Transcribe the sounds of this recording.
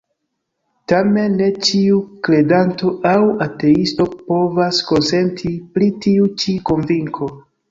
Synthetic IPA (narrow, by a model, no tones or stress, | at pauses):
tame̞nːe̞t͡ʃiukle̞danto̞ʔawate̞isto̞po̞vasko̞nse̞ntʰiplitiut͡ʃiko̞nviŋkʰo̞